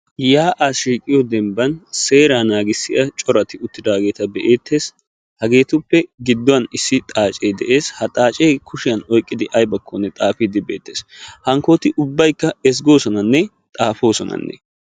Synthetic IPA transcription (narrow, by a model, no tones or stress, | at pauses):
jaːʔaːsʃiːkʼɪjɔd̪ɛmbɐnse̞ːɾaːnaːɡɪsːɪʔɐt͡ʃʼɔɾɐt̪ɪʊt̪ːɪd̪aːɡe̞ːt̪ɐbɛʔe̞ːt̪ʰːe̞ːs | hɐɡe̞ːt̪ʊpːɛɡɪd̪ːɔwɐnɪsːɪt̪ʼaːt͡ʃʼejd̪ɛ̰ʔe̞ːshɐt̪ʼaːt͡ʃʼejkʰʊʃɪjɐnɔjkʼːɪd̪ɪʔɐjbɐkʰːonːɛt̪ʼaːfiːd̪ɪbe̞̰ːt̪ːeːshɐŋko̞ːt̪ɪʔʊbːɐjkːɐɛs̬ɡo̞ːsɔnɐnːɛ | t̪ʼaːfo̞ːsɔnɐ̰nːɛ̰